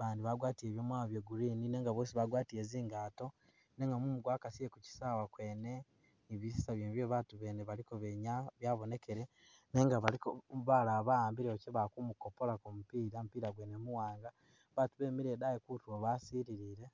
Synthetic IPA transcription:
βaːndiβaɡwaːtieːβjomwaoβjoɡuɾiːnine̞ːŋɡaβoːsiβaɡwaːtiɾeziːŋɡaːto̞ | ne̞ːŋɡamumuɡwaːkasijekuci̥sawakweːne̞ | niβisi̥saβjeːmβjoβatuβeːneβalikoβeɲaβjaːβo̞ne̞keɾe | ne̞ːŋɡaβalikoβalaβaaːmbiɾeociβakumukopo̞lakomupiːɾamupiːɾaɡwenemuwaːŋɡa | βatuβeːmiɾedajekutuwoβasiːɾiɾiːɾe̞

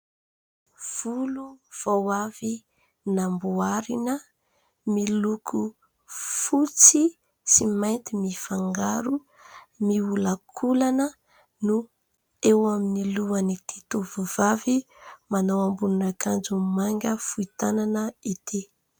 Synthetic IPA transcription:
v̥uluv̥awavi | nambuaɾinə | milukʰu | fut͡si | simajnt̪imifaŋɡaɾu | miulakʰulanə | nu | ewaminiluanit̪i̥t̪uvuvavi | manawambununakand͡zumaŋɡʲəfuit̪ananəit̪ʰe

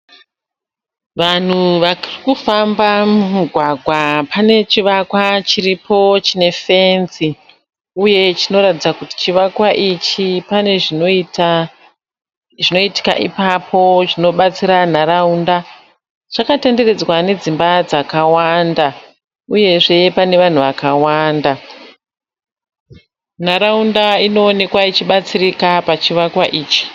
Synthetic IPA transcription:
ʋan̤uʋarikufambamumuɡʱwaɡʱwapane̞t͡ʃiʋakwat͡ʃiripʰo̞t͡ʃine̞fe̞nsi | uje̞t͡ʃino̞ɾatid͡zakuti̥t͡ʃiʋakwaʔit͡ʃipane̞ʐint | ʐino̞iti̥ka̰ʔḭpapʰo̞t͡ʃino̞ɓat͡siɾan̤aɾaunda | ʐakatende̞re̞d͡zwane̞d͡zimbad͡zakawanda | uje̞ʐe̞pane̞ʋan̤uʋakawaːnda | n̤aɾaundaino̞ːne̞kwait͡ʃiɓat͡sirikapat͡ʃiʋakwaʔiːt͡ʃi̥

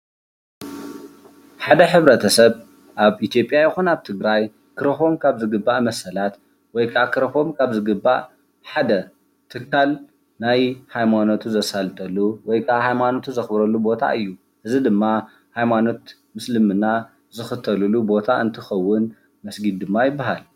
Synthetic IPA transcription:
ħad̪ɐħɨβɾɐt̪ʰɐsɐβ | ʔaβʔit̪ʰjo̞pʼjajɪxunaβt̪ʰɨɡɾaj | kʰɨɾɐfo̞mkʰaβzɨɡɨbːaʔmɐsɐlat̪ | wɔjkʰʼakʰɨɾɐfo̞mkʰaβzɨɡɨbːa̰ʔ | ħad̪ɐ | t̪ʰɨkʰːal | najhajmanot̪ʰuzɐsalt̪ʼɐlːuwɔjkʰʼahajmanot̪ʰuzɐxbɾɐlːubo̞t̪ʰa̰ʔɨjːu | ʔɨzid̪ɨmːa | hajmano̞t̪ | mɨslɨmɨna | zɨxɨt̪ʰːɐlulubo̞t̪ʰaʔɨnt̪ʰɨxɐwːʊn | mɐsɡid̪̚d̪ɨmːajɪbːaɦal

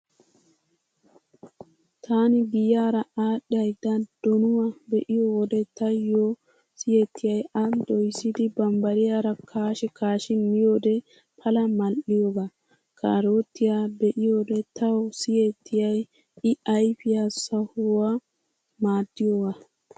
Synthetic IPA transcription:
t̪ʰaːnɪɡɪjaːɾɐaːɗɐjd̪ɐd̪̥ɔnʊwabɛʔɪjowɔd̪ɛt̪ɐjːoː | sɪjet̪ʰːɪjɐjɐd̪ɔjsːɪd̪ɪbɐmbɐɾɪjaːɾɐkʰaːʃɛkaːʃɪmɪjoːd̪ɛ | pʰɐlɐmɐlʔɪjoɡa | kʰa̰ːɾo̞ːt̪ːɪjaːbɛʔɪjoːd̪ɛt̪ɐwɔsɪjet̪ːɪjɐj | ɪɐjfɪjaːsɐhʊwa | maːd̪ːɪjowa

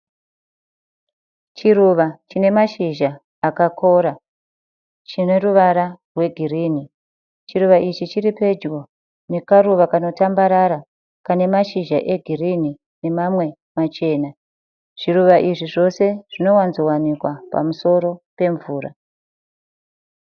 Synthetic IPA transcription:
t͡ʃiɾuʋat͡ʃine̞maʃiʒaː | kakʰo̞ɾa | t͡ʃine̞ruʋaɾarwe̞ɡʱiriːni | t͡ʃiɾuʋaʔit͡ʃit͡ʃiɾipe̞d͡ʒɡo̞ | ne̞kaɾuʋakano̞tambaɾaɾa | kane̞maʃiʒaʔe̞ɡʱirini | ne̞mamwe̞ | mat͡ʃe̞ːna | ʐ̥iruʋaʔiʐiʐo̞se̞ʐ̥ino̞wanzo̞wanikwapa̰muso̞ɾo̞pe̞ɱvuːɾa̰

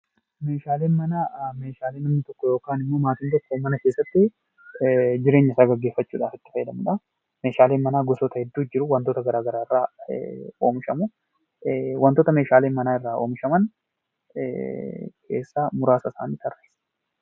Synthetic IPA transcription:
me̞ːʃaːle̞ːnmɐnaːme̞ːʃaːleːnɐmnɪt̪ɔkːɔjo̞ːkaːnɪmːoːmaːt̪ɪnt̪ɛk̪ːumɐnɐkeːsːɐt̪ːɪ | d͡ʒɪɾeːɲːɐɪsaːɡɐɡːeːfːɐt͡ʃːuːᶑaːfɪt̪ːɪ̥fɐjːɛd̪ɐmʊᶑɐ | me̞ːʃaːleːnmɐnaːɡɔsɔt̪ɐhɛd̪ːuːd͡ʒɪɾʊwɐnt̪oːt̪ɐɡɐɾaːɡɐɾaːɪrːa̰ː | o̞ːmɪʃɐmʊ | wɐnt̪oːt̪ɐme̞ːʃaːle̞ːnmɐnaːɪrːaːʔo̞̰ːmɪʃɐmɐn | kʰe̞̰ːsːamʊɾaːsɐsa̰ːniːt̪ʰɐrːeːs

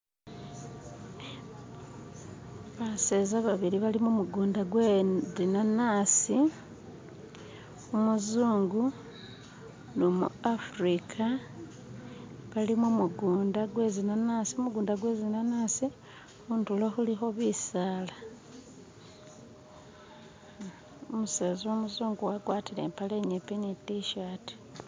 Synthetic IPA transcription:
βasezaβaβiliβalimomuɡuːndaɡwezinanasi | umuzuːŋɡu | nomṵafɾikʰa | βalimwomuɡuːndaɡwezinanasiomuɡuːndaɡwezinanaːsi | untuloxulixo̞βisaːla | omuseːzomuzuːŋɡuwaɡwaːtile̞̰ːmpaleɲepinitiʃaːti̥

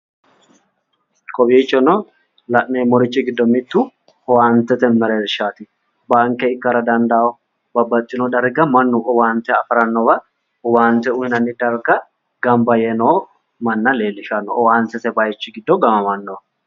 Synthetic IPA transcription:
kʼɔbiːt͡ʃːɔnɔ | lɐʔneːmɔɾɪt͡ʃːɪɡɪd̪ːɔmɪt̪ːʊ | ɔwaːnt̪ɛt̪ɛmɛɾeːɾʃaːt̪ɪ | baːŋkːɛɪkːɐɾɐd̪ɐnd̪awɔ | bɐbːɐt̪ʼːɪnɔd̪ɐɾɡɐmɐnːʊʔɔwaːnt̪ːɛɐfɾɐnːɔbɐ | ɔwaːnt̪ɛʊjɪnɐnːɪd̪ɐɾɡɐ | ɡɐmbɐjɛnoː | mɐnːɐle̞ːlːɪʃɐnːɔʔɔwaːnt̪ːɛt̪ɛbɐjt͡ʃːɪɡɪd̪ːɔɡɐmɐmɐnːɔ

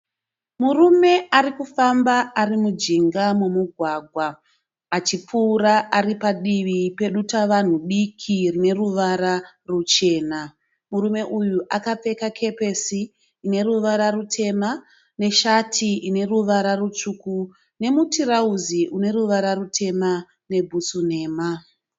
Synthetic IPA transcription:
murume̞aɾikufambaːrimud͡ʒiŋɡamumuɡʱwaːɡʱwaː | t͡ʃipuːɾaʔaripaɗiʋipe̞ɗutaʋan̤uɗikʰirine̞ruʋaɾa | rut͡ʃe̞ːna | murume̞ʔujuʔakap͡fe̞kakʰe̞pe̞siː | ne̞ruʋaɾarutʰe̞ma | ne̞ʃatʰiʔine̞ruʋaɾarut͡ʂuku | ne̞mutʰirauziʔune̞ɾuʋaɾarutʰe̞ma | ne̞bʱusun̤e̞ːma

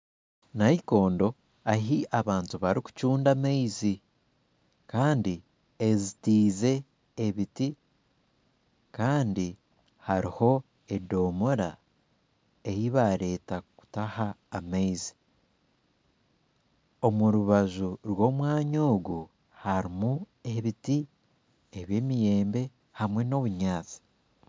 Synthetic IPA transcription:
naiko̞ːndo̞ | aɦiʔaβaːntuβaɾiku̥cuːndamaizi | kaːndi | ezitiːze̞ː | βiti | kaːndi | haɾiho̞ | e̞do̞moɾa̰ | ejiβaɾe̞ːtaku̥tahaːmaizi̥ | o̞muɾuβaʒuɾwo̞ːmwaːɲoːɡu | haɾimu | e̞βiti | eβje̞ːmije̞ːmbe̞ | hamwe̞no̞βuɲaːt͡si̥

